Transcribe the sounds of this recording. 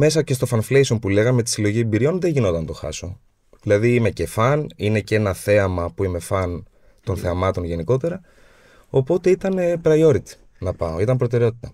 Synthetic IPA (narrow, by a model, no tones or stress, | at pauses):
me̞sɐce̞st̪o̞fɐnfle̞jsompule̞ɣɐme̞t̪i̥silo̞ʝiebiɾio̞nðe̞ɲʝino̞t̪ɐnt̪o̞xɐ̰so̞ | ðilɐðiːme̞ce̞fɐnine̞ce̞nɐθe̞ɐmɐpuime̞fɐn | t̪o̞nθe̞ɐmɐt̪o̞nʝe̞niko̞t̪e̞ɾɐ | o̞po̞t̪e̞it̪ɐnepɾɐio̞ɾit̪i̥ | nɐpɐ̰oit̪ɐmpɾo̞t̪e̞ɾe̞o̞t̪i̥t̪ɐ